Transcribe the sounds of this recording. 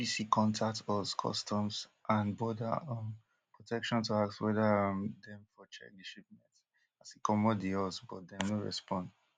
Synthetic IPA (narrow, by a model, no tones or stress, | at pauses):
pisikʰɔ̃ntʰak̚tɔzkʰɔ̰stʰɔ̃msʔãnbɔda̰ɔ̃n | pʰɹɔtʰɛkʃɔ̃ntuakswɛdãmdɛ̃mfɔt͡ʃɛ̰k̚diʃip̚mɛ̃t | asikʰɔmɔdiɔsbɔ̰t̚dɛnoɹɛ̰spɔ̃nd